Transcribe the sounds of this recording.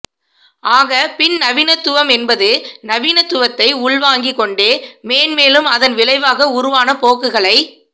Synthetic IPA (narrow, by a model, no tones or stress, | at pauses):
aːɣɐpɪnnɐʋɪnɐt̪ːʊʋɐmɛnbɐðɯnɐʋɪnɐt̪ːʊʋɐt̪ːɐɪʊɭʋaːŋɡɪkːɔɳɖeːmeːnmeːlɯmɐðɐnʋɪɭɐɪʋaːɣɐʊɾʊʋaːnɐpoːkːɯɣɐɭɐɪ